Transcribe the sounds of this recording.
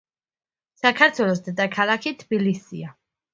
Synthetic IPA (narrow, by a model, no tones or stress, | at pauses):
sakʰaɾt̪ʰwɛlˠɔs̬d̪ɛd̪akʰalˠakʰit̪ʰbilisḭa